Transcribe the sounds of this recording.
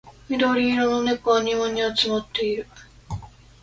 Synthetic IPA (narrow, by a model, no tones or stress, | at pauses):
mʲid̪oɾʲiːɾononekoaɲʲimõɲ̟ʲːiat͡sɨmot̪ːe̞iɾɯ̟